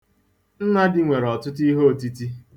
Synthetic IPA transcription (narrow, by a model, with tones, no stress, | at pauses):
n̩˦na˦dɪ˦ŋʷe˨ɾɔ˨tʊ˦t̬i˦ɦo˦o˨ti˦ti˦